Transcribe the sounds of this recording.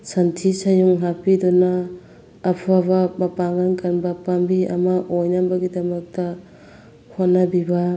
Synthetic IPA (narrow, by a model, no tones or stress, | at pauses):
santʰisajuŋɦapidɔnaː | pʰaβɐbɐpaŋankʰanbɐpambiɐ̰mɐʔojnabɐɡidɐmɐk̚tɐ | honːabiba